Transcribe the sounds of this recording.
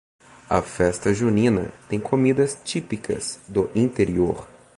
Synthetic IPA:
ɐ̰fɛst̪ɐʒunĩnɐ̰t̪ẽj̃kʰomid̪ɐst͡ʃipikʰɐ̰sd̪ʊʔĩnt̪eɾioɾ

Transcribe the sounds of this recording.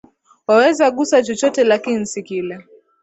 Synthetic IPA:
wawɛzaɠusat͡ʃɔt͡ʃɔtɛlakinin̩sikilɛ

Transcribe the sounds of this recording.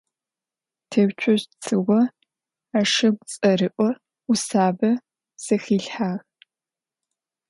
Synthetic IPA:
tʰɐwt͡ʃʷʰɔʑt͡sʰɨwɔ | aʂɐɡʷt͡sʼɐrɨʔʷʼɔ | usaːbɐ | sɐxiːɬħaːʁ

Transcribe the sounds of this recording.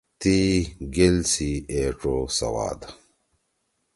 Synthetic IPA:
t̪iɡelsieːʈ͡ʂosɐ̰wa̰ːd̪

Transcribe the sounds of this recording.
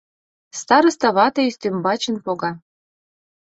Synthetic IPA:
st̪ɑɾɤ̆st̪ɑβɑt̪ɤist̪ymbɑt͡ɕə̆npoɣɑ

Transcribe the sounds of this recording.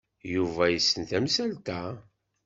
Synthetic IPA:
juvæjəsːənt̪æmsælt̪æ

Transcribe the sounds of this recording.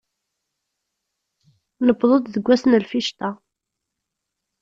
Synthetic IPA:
nəbðˤot̪ðəɡʷːæsnəlfiʃt̪a

